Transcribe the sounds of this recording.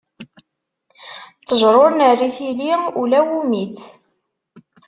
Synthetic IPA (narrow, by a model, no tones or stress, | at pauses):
t͡sːəʒɾˤoɾnərːiθiliulæwumit͡s